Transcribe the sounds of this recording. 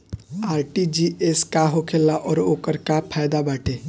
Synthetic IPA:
aːɾʈid͡ʒieskaɦokʰelːaʔɔːɾoːkəɾkapʰaːjd̪abaːʈʰeː

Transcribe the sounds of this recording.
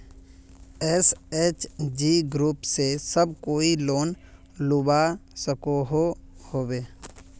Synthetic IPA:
ɛseːt͡ʃd͡ʒiːɡɾuːpsesəb̚koːiloːn | lʊbasəkoɦohoːbeː

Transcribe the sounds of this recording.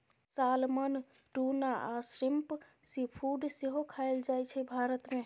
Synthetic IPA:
salmən | ʈunaʔasɾimp | sipʰuɖseɦokʰaeld͡ʒajt͡ʃʰɛbʱaɾət̪me

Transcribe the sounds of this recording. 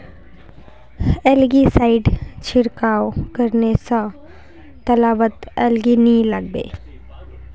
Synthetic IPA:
ɛlɡisaːɪɖt͡ʃʰɪɾkaːwkəɾnesə̃ | t̪ɐlaːbət̪ɛlɡinĩlɐɡ̚bḛː

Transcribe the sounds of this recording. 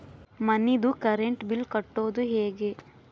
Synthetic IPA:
mɐnːid̪ukɐɾeɳʈbilkɐʈːoːd̪uɦeːɡe

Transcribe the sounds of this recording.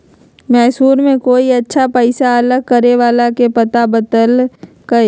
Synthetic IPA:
mɛːsuːɾmẽkoːiɐtːʃʰapəɪsaɐləɡ̚kəɾeʋaːlakepɐt̪abət̪əl | kɐe

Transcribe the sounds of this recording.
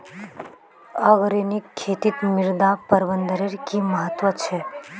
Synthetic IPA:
əɣɾenikʰːeːt̪it̪mɪɾd̪apəɾʋənd̪əɾeɾkiməɦət̪ʋət͡ʃʰe

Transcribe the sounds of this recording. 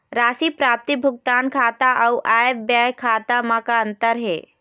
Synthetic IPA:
ɾaːsipɾaːp̚t̪ibʱʊɡ̚t̪aːnkʰaːt̪aʔɐuʔaːbjajkʰaːt̪amãkaənt̪əɾɦḛː

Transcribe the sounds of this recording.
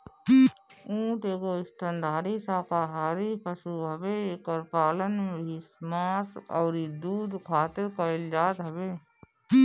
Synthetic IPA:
ũːʈeːkoɪsʈ̪ʰənd̪ʱaːɾisaːkaɦaːɾipəsuɦɐbeekəɾpaːlənmeismaːsɔ̰ːɾid̪uːd̪kʰaːt̪ɪɾkəɪld͡ʒaːt̪ɦəbeː

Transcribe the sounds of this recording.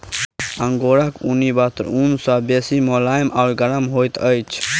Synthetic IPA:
əŋɡoːɾakṵnibat̪ɾunsabeːsimolaːjmaʊɾɡəɾəmɦoːjt̪əjt͡ʃʰ

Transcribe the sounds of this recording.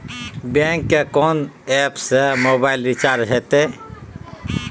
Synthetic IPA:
bẽːŋkːekɔːnɛːpsemoːbaɪlɾit͡ʃaːɾɦet̪e

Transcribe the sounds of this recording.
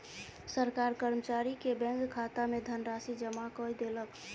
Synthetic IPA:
səɾkaɾkəɾmət͡ʃaɾikebɛ̃ŋkkʰat̪amed̪ʱənɾasid͡ʒəmakɔjd̪elək

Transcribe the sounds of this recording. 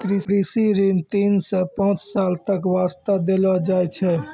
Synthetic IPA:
kɾiɾisiɾint̪insẽpə̃t͡ʃsalt̪əkʋast̪ad̪elɔd͡ʒajt͡ʃʰɛ

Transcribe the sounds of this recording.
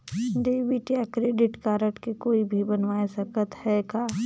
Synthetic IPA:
ɖeʋiʈiakɾeːɖɪʈkaːɾəʈkekoːibʱibɐnʋaːesɐkət̪hɛkaː

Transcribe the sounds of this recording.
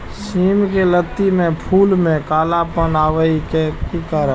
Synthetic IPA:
siːmkelət̪ːimẽpʰuːlmẽkaːlapənaːʋəikekikəɾ

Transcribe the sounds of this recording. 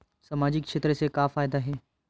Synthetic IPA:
samaːd͡ʑɪkʃeːt̪ɾəsekaːfaːjɪd̪aɦeː

